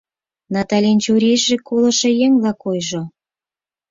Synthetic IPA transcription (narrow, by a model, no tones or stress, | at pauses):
nɑt̪ɑlʲenʲt͡ɕuɾʲijʒekolɤ̆ʃĕjeŋβlɑkojʒo